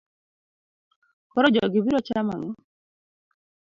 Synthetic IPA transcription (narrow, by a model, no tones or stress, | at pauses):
kɔɾɔd͡ʒɔɡɪbiɾɔt͡ʃama̰ŋɔ